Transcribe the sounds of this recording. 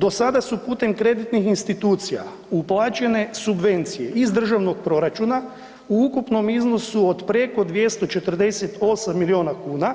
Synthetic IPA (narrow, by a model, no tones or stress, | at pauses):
d̪o̞sad̪asupuːt̪e̞mkɾe̞d̪it̪nixinst̪it̪uːt̪sija̰ | uplˠat͡ʃe̞ne̞subʋe̞nt̪sije̞ʔizd̪r̩ʒaʋno̞ɡ̚pɾo̞ɾat͡ʃuna | uukupno̞mizno̞suod̪pɾe̞ko̞d̪ʋje̞st̪o̞t͡ʃe̞t̪rd̪e̞set̪o̞samːilio̞ːnakuːna